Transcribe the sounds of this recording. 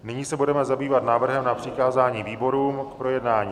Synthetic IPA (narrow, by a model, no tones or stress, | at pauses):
nɪɲiːsɛbudɛmɛzabiːvat̪naːvr̩ɦɛmnapr̥ɪkaːzaːɲiːviːbo̞ɾuːmkpɾo̞jɛdnaːɲiː